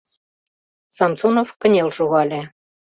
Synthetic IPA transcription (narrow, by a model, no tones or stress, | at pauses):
sɑmsunofkə̆nʲelʃuɣɑlʲĕ